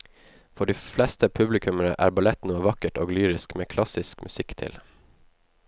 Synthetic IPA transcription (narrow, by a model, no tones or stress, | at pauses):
fɔɖiːflɛst̪əpʰʉblɪkʰʉməɾə̰ʔæ̰ːɾbɑlɛt̪nuːəʋɑkəʈo̰ːɡlyːɾɪskmeːkʰlɑsɪskmʔʉsɪkt̪ʰɪ̰l